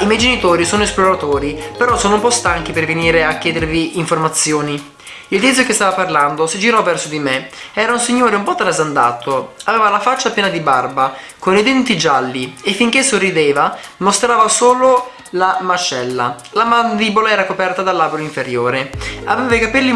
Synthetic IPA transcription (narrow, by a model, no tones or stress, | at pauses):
imɛjd͡ʒenit̪oːɾisoːnoesploɾat̪oːɾipeɾɔsoːnoumpɔst̪aŋk̟iperveniːɾeakʲːɛːd̪eɾviːɱformat̪sːjoːni | ild̪it̪sjokest̪aːvaparland̪osid͡ʒiɾɔvːɛrsod̪imeɛːɾaunsiɲːoːɾeumpɔt̪ːalazand̪aːt̪oaveːvalafat͡ʃːapjɛːnad̪ibarba | konid̪ɛnt̪id͡ʒalːiefːiŋk̟esorːid̪eːvamost̪ɾaːvasoːlo | lamat͡ʃɛlːa̰ | lamand̪ibolaɛːɾakopɛrt̪ad̪alːaːbɾoiɱfeɾjoːɾeaveːvakapilːi